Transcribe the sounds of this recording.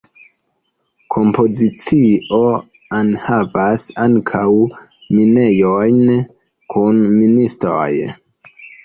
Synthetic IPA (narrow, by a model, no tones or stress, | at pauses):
kʰo̞mpo̞zit͡sio | anhavasaŋkʰaw | mine̞jojn | kʰunministɾo̰j